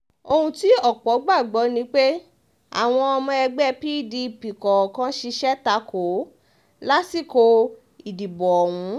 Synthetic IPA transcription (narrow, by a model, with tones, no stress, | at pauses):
o˧hũ˧ti˨˦ɔ˦˨k͡pɔ˨˦ɡ͡ba˦˨ɡ͡bɔ˨˦nĩ˦k͡pe˦ | a̰˨w̃ɔ̃˧ɔ˧mɔ̃˧ɛ˧ɡ͡bɛ˦˧pi˦˨di˧˨pi˨kɔ˨kã˦ʃi˧ʃɛ˦ta˧˦ko˨˦ | la˦si˦˨ko˧ | i˨di˨bɔ˨ɔ˨wũ˨˧˦